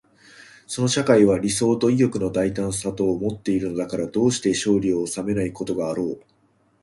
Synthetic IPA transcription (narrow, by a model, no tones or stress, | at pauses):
so̞no̞ɕakaiβ̞aɾʲiso̞ːt̪o̞iɡʲo̞kɯ̟no̞d̪ait̪ãɰ̃sat̪o̞ːmo̞t̪ːe̞iɾɯ̟no̞d̪akaɾad̪o̞ːɕi̥t̪e̞ɕo̞ːɾʲioːsame̞naiko̞t̪o̞ɡaːɾo̞ː